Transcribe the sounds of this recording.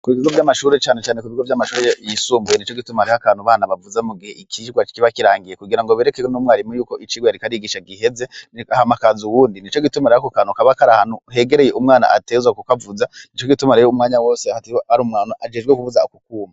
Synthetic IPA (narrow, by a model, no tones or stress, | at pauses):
kuβiβiɡovjamaʃuːɾet͡ʃaːnet͡ʃaːnekuβiɡovjamaʃuːɾejisuːmbujenit͡ʃo̞ɡitumaɾehakaːn̥huβaːnaβavuzamuɡihe̞ʔikʰiɡwḁkiβakiɾaːŋɡije̞kuɡiɾaŋɡoβeɾekeonumwaaɾimujuːko̞ʔit͡ʃiːɡwajaɾikaɾiɡiʃaɡiɦe̞ze̞ahamakazuwuːndinit͡ʃo̞ɡitumaɾehakokaːnukaβakaɾahanuɦe̞ɡe̞ɾe̞jeumŋaːna̰a̰tezwakukavuzannit͡ʃo̞ɡitumaɾejoumŋaːɲawo̞ːsehataɾumŋaːnaʔad͡ʒed͡ʒɡekuβuzaukukuːmba